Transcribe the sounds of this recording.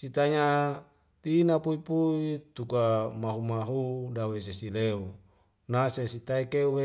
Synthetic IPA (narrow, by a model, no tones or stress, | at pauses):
sit̪aɲa | t̪inapuipuit̪ukamaɦumaɦudawes̬esileu | nasesit̪aikeuwe